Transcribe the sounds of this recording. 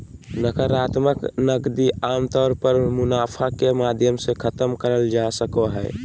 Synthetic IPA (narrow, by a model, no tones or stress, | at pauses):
nəkəɾat̪məknəɡd̪iamt̪ɔɾpəɾmunapʰakemad̪ʱjəmsekʰət̪əmkəɾəld͡ʒasəkoɦɛ̰